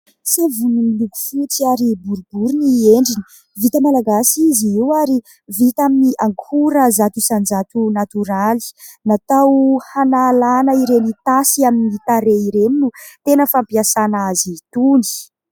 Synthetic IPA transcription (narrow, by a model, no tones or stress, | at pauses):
savunimiluku̥fut͡siaɾibuɾubuɾunieɳɖ͡ʐini̥ | vit̪əmalaɡasiziiwaɾi | vit̪aminiʔaŋkʰuɾəzat̪usand͡zat̪unat̪uɾali̥ | nat̪awhanaːlanəiɾenit̪asiaminit̪aɾeiɾeminut̪enəfampiasanazit̪uni̥